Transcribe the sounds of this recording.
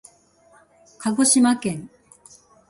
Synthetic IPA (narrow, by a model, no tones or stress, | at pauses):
kʰaɡoɕimakẽ̞ŋ